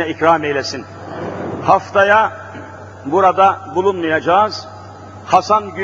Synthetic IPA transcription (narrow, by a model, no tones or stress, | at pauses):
ɛicɾaːmejlʲɛsin | haft̪aja | buɾad̪abulˠunmɯjad͡ʒaːz̥ | hasanɟy